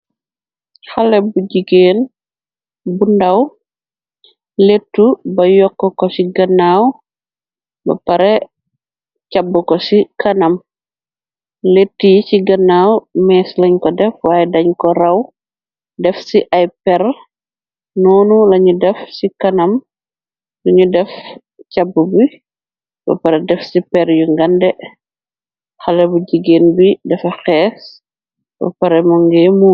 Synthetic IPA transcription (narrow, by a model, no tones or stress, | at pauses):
halɛbuɟiɡeːn | bundaw | letːubɐjɔkːɔkɔsiɡɐnːaw | bɐ̰pɐɾɛ | cabːukɔsikɐnɐm | letːijsiɡɐnːawmɛːslɐɲkɔdɛfwaːjɛdɐɲkɔɾɐw | dɛfsiʔɐjpɛr | nɔːnulɐɲudɛfsikɐnɐm | duɲudɛf | cabːubu | b̥ɐ̰pɐɾɛdɛfsipɛɾjuŋɡɐndɛ | xɐlɛbuɟiɡeːnbidɛfɐxɛːs | b̥ɐ̰pɐɾɛmɔŋɡɛːmuː